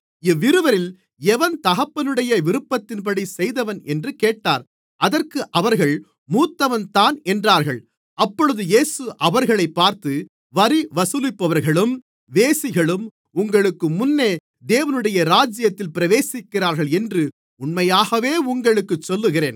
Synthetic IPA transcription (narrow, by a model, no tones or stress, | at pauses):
ɪʋːɪɾɯʋɐɾɪl | ɛʋɐnt̪ɐɣɐpːɐnɯɽɐjɐʋɪɾɯpːɐt̪ːɪnpɐɽisɛjðɐʋɐnɛndrɯkeːʈːaːɾ | ʔɐðɐrkɯʔɐʋɐɾɣɐɭ | muːt̪ːɐʋɐnt̪aːnɛndraːɾɣɐɭ | ɐpːɔɻɯðɯjeːsɯʔɐʋɐɾɣɐɭɐɪpːaːɾt̪ɯ | ʋɐɾiʋɐsɯlɪpːɐʋɐɾɣɐɭɯm | ʋeːsɪɣɐɭɯm | ʊŋɡɐɭɯkːɯmʊnːeː | d̪eːʋɐnɯɽɐjɐɾaːd͡ʒɪjɐt̪ːɪlpɪɾɐʋeːsɪkːɪɾaːɾɣɐɭɛndrɯ | ʊɳmɐjaːɣɐʋeːʊŋɡɐɭɯkːɯt͡ʃːɔlːɯɣɪɾeːn